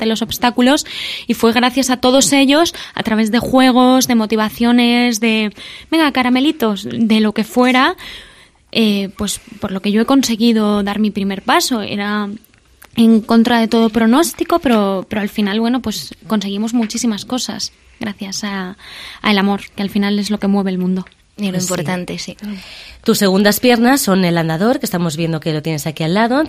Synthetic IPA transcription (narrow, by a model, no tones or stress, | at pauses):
d̪elo̞so̞βst̪akulo̞sifwe̞ɣ̞ɾaθjasat̪o̞ð̞o̞se̞ʎo̞sa̰t̪ɾaβ̞e̞zðe̞xwe̞ɣ̞o̞zðe̞mo̞t̪iβ̞aθjo̞ne̞zðe̞be̞ŋɡakaɾame̞lit̪o̞sðe̞lo̞ke̞fwe̞ɾa | epwe̞spo̞ɾlo̞ke̞ʝo̞e̞ko̞nse̞ɣiðo̞ðaɾmipɾime̞ɾpaso̞ḛɾa | eŋko̞nt̪ɾað̞e̞t̪o̞ð̞o̞pɾo̞no̞st̪iko̞peɾo̞peɾo̞alfinalβweno̞pwe̞sko̞nse̞ɣ̞imo̞zmut͡ʃisimasko̞sa̰s | ɣɾaθjasaa̰e̞lamo̞ɾkealfinale̞zlo̞ke̞mwe̞β̞eːlmũnd̪o̞ | loimpoɾant̪esit̪usːe̞ɣ̞und̪aspje̞ɾnasːo̞neland̪aðo̞ɾke̞st̪amo̞zβje̞nd̪okelo̞t̪je̞nesakialːaðo̞